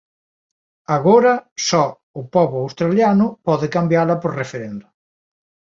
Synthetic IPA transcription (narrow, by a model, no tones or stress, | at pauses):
aɣoɾɐsɔ | ʊpɔβʊawst̪ɾaljanʊpɔðɪkambjalɐpoɾrefeɾend̪ʊ